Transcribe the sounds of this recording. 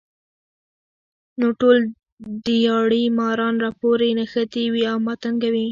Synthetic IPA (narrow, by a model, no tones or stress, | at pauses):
noʈol | d̪əjɑɽimɑɾɑnɾɑpoɾenaxət̪iwiawmɑt̪aŋɡawi